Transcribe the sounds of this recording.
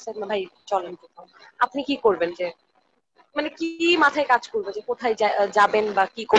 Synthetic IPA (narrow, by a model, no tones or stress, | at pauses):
set̪nbʱajt͡ɕɔlenk̪et̪ʰomapnikikoɾbend͡ʑe | manekiimat̪ʰajkad͡ʑkoɾbed͡ʑekot̪ʰajd͡ʑad͡ʑabenbakiko